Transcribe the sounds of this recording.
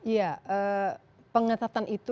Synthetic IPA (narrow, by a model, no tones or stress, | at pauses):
ijaʔə | pəŋət̪at̪anʔit̪u